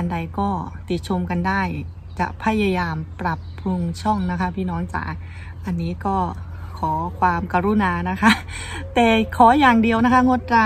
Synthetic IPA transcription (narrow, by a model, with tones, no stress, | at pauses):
a˧nda˧jkɔː˥˩t̪i˨˩t̪̚t͡ɕʰo˧mka˧ndaː˥˩j | t͡ɕa̰˨˩ʔpʰa˧˥˩jaː˧jaː˧mpɾa˨˩pʰːɾu˧ŋt͡ɕʰɔ˥˩ŋna˦˥kʰa˦˥pʰiː˥˩nɔː˦˥ŋt͡ɕa̰ː˩ | ʔa˧nːiː˦˥kɔː˥˩ | kʰɔː˩˦kʰwaː˧mka˧ɾu˧˥˩naː˧na˦˥kʰa˦˥ʔ | t̪ɛː˨˩kʰɔː˨˩˦jaː˨˩ŋdi˧əwna˦˥kʰa˦˥˩ŋo˦˥t̪̚ɾa˧